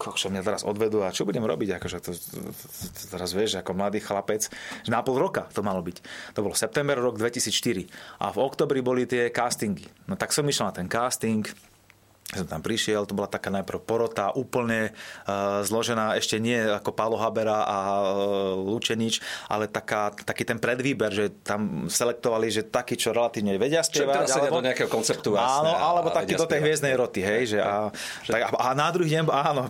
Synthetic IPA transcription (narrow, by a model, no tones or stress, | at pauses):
kʰɔt͡ʃɔmɲat̪ɛɾazɔ̰d̪ʋɛd̪uat͡ʃɔbuɟɛmɾɔ̰biɟakɔʒɛt̪ɔ | t̪t̪ɛɾazʋɪɛʒakɔmlad̪iːxlapɛt͡sʒnapɔlˠɾɔkat̪ɔmalɔbict̪ɔbɔlsɛp̚t̪ɛmbɛɾɾɔɡd̪ʋɛcisiːt͡sʃt̪iɾiʔa̰vɔkt̪ɔːbɾibɔlit̪ɪɛkaːst̪iŋɡinɔt̪aksɔmiʃlɛlnat̪ɛnkaːst̪iŋk | sɔmt̪ampɾiʃɪɛlt̪ɔbɔlat̪akaːnajpɾ̩ʊpɔɾɔt̪aʔuːpl̩ɲɛ | zlɔʒɛnaːɛʃcɛɲɪɛakɔpalɔɦabɛɾaʔa | lut͡ʃɛɲit͡ʃʔa̰lɛt̪akaːt̪akiːt̪ɛnpɾɛd̪ʋiːbɛɾʒɛt̪amsɛlɛk̚t̪ɔʋaliʒɛt̪akiːt͡ʃɔɾɛlat̪iːʊɲɛʋɛɟɪaspɛʋaalɛbɔɲɛakɛɦɔkɔnt͡sɛpt̪uaːnɔʔalɛbɔakiːd̪ɔt̪ɛjɦʋɪɛznɛjɾɔt̪iɦɛjʒɛa̰aɡaanad̪ɾuɦiɟɛɲaːnɔ